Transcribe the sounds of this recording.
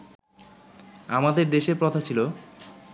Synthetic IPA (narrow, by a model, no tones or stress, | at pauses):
amad̪eɾd̪eʃepɾot̪ʰat͡ɕʰilo